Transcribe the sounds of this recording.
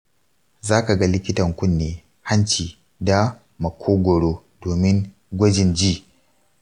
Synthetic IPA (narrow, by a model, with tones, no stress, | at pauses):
zaː˦ka˨ɡa˦lɪ˦kʲɪ˦tɐ˨ŋkʷʊ˦nːeː˨ | ha˦nt͡ʃiː˨ | da˦ | mɐ˨kʷʰoː˦ɡʷɔ˨ɽoː˦ | doː˨mɪ˦ŋ | ɡʷɐ˦d͡ʒɪ˨nd͡ʒiː˦˨